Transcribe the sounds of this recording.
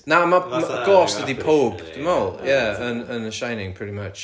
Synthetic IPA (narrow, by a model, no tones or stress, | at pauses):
naʊməmɡ̥ɔːˑsdədipʰoːbd̥əmolˠjæə̃nə̃nəʃãɪ̃nɪ̃ŋpʰɹ̥ɪɾimət͡ʃ